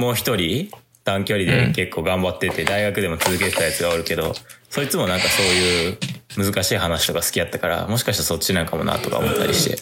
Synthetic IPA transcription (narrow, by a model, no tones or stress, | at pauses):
mo̞ːçi̥t̪o̞ɾʲi | t̪ãŋkʲo̞ɾʲid̪e̞̰ke̞kːo̞ːɡãmbat̪ːe̞t̪e̞d̪aiɡakɯ̟d̪e̞mo̞t͡sɨzɨke̞t̪e̞t̪ajat͡sɨɡaoɾɯ̟ke̞d̪o̞̰so̞ɾʲit͡sɨmo̞nãŋkaso̞ːjɯ̟ːmɯzɨkaɕiːhanaɕi̥t̪o̞kasɨ̥kʲiat̪ːakaɾa̰mo̞ɕi̥kaɕit̪aso̞tt͡ɕːinãŋkamo̞̰na̰t̪o̞ka̰omo̞̰t̪ːa̰ɾʲḭɕi̥t̪e̞̰